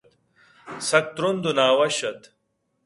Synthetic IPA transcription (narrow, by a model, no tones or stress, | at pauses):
t̪ | sɐk̚t̪ɾund̪unaːwɐɕɐt̪